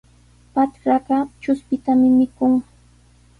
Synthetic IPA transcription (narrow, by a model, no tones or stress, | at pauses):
pat͡ʃɾɑɢɑt͡ʃʊspɪt̪amɪmɪkʊŋ